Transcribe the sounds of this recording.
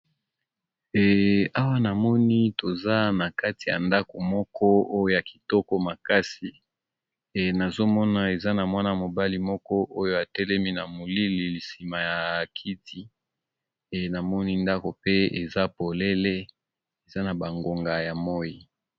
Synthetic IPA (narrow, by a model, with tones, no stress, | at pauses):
ɛ˨a˦wa˦na˨mɔ˦ni˦to˨za˦na˨ka˦ti˨ja̰˨nda˦ko˨mɔ˦kʰɔ˦o˦jo˦ja˨ki̥˨tɔ˦kɔ˦ma˨ka˦si˨ | na˨zo˦mɔ˦na˦e˨za˦na˨mwa˦na˨mo˨ba˦li˦mɔ˦kɔ˦ʔo˦jo˦a˨tɛ˦lɛ˦mi˦na˨mo˨li˦li˨li˨si˨ma˨ja˨kʰi˦tʰi˦˨ | na˨mɔ˦ni˦nda˦ko˨pe˦e˨za˦po˨le˦le˦ | e˨za˦na˨ba˨ŋɡo˨ŋɡa˨ja˨mɔ˦ji˨